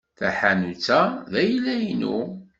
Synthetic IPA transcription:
θæħanut͡sːæðæjəlːæjinṵ

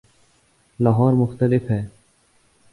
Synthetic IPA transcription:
laːɦɔːɾmʊxt̪əlɪfɦɛː

